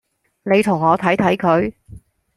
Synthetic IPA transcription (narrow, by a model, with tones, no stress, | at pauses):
ne˨˧jt̪ʰʊ˨˩ŋɔː˨˧t̪ʰɐ˨˥jt̪ʰɐ˨˥jkʰɵ˨˧ɥ